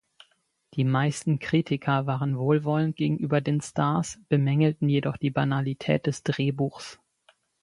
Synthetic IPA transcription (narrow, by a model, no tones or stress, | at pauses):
d̥iːmaɪstn̩kʁ̥iːtʰɪkʰɐvaːʁənvoːlvɔlənt̚ɡ̥eːɡŋ̩ʔyːbɐdeːnstʰaːɐsb̥əmɛŋl̩tn̩jedɔχd̥iːbanalitʰɛ̰ːt̚d̥ɛsd̥ʁeːbuːxs